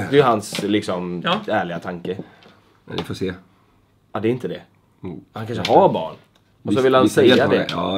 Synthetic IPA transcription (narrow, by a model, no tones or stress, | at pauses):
d̪ɛjəɦanslɪksɔmæːɭɪɡat̪ʰaŋkə̰ | dɪfoseː | ad̪ɛɾɪnt̪əd̪ɛ | hankanʂəɦaɾbɑ̰ːɳ | ɔsɔvɪlːhansɛjːad̪ɛ